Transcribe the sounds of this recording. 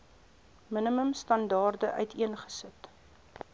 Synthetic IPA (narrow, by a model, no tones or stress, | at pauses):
minəməmstɐndɑːrdəʔœ̰ɥtʰiənχə̥sət